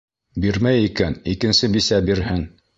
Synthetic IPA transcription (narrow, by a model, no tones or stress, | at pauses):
biɾmæjikænikɘ̆nsɘbisæbiɾhɘŋ